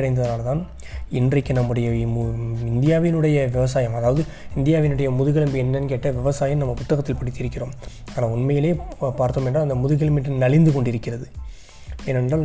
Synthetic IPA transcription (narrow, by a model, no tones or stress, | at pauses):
ɐɽɐɪnd̪ɐðɐnaːlɐt̪aːn | ɪndrɐɪkːɯnɐmːɯɽɐjɐ | ɪnd̪ɪjaːʋɪnɯɽɐjɐʋɪʋɐs̬aːjɐmɐðaːʋɐðɯɪnd̪ɪjaːʋɪnɯɽɐjɐmʊðɯɣɐlɐmbiɛnːɐnkeːʈːɐʋɪʋɐsaːjɐmnɐmːɐpʊt̪ːɐɣɐt̪ːɪlpɐɽɪt̪ːɪɾɯkːɪroːm | aːnaːʊnmɐjɪleːpaːɾt̪oːmɛndraːɐnd̪ɐmʊðɯɣɪlɐmbɪʈːnɐlɪnd̪ɯkɔɳɖɪɾɯkːɪrɐðɯ | ɛnɛnɖaːl